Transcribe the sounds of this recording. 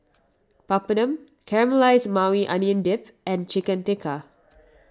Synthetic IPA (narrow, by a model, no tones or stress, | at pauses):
papənə̃m | kʰɛɹəməlaɪsmawiʔãnjə̃ndɪp | ɛ̃nt͡ʃɪkə̃ntɪkʰa